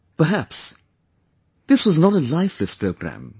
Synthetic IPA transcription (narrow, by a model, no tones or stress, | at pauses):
pə˞ɦæps | ðɪswʌznəɾəlaɪflɨspʰɹ̥oʊɡɹæ̰̃m